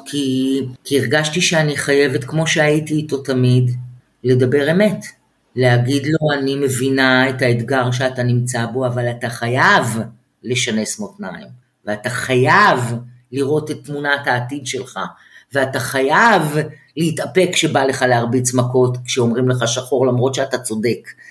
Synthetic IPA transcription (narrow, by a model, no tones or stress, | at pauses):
kʰikiːʁɡaʃtiʃeaniχaje̞vetkmo̞ʃeajitiːto̞tamid | le̞dabe̞ʁe̞me̞t | leaɡidlo̞anime̞vinaetaed̪ɡaʁʃ̬eatanimt͡sabo̞avalataχajav | le̞ʃane̞smotnajim | veataχajav | liʁo̞tetːmunathaːtidʃelχa | veataχajav | leitape̞kʃebale̞χaleaʁbit͡smako̞tkʃeo̞mʁimleχaʃaχo̞ʁlamʁo̞tʃeatat͡so̞de̞k